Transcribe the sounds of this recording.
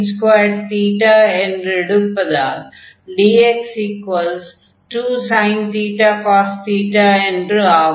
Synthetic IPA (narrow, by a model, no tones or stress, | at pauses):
nskʋajɖ̚t̪iːʈaːɛ̃ɳɖɾɪɽupːɐd̪a | ɖiːeksikʋɐls | ʈuːsãɪ̃nt̪iːʈaːkɔːst̪iːʈaɛ̃ɳɖaː